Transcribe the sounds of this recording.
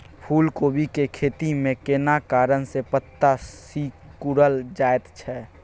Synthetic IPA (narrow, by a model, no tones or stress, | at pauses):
pʰuːlkoːbʱikekʰeːt̪imẽkenakaːɾənsepət̪ːasi | kuɾəld͡ʒaːet̪t͡ʃʰɛ